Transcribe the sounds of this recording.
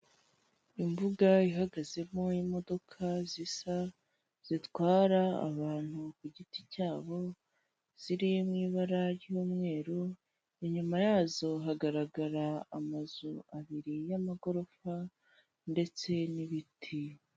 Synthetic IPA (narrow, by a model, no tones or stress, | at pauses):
imbuɡaiɦaɡaze̞mo̞imo̞do̞kʰazisa | z̥itwaːɾaa̰βaːn̥hukuɟiticaːβo̞ | z̥iɾimŋiːβaɾaɾjuːmŋe̞ːɾo | eɲumajaːzo̞ɦaɡaɾaɡaɾaamazuaβiɾijamaɡo̞ɾo̞fa | nde̞t͡se̞niβitʰi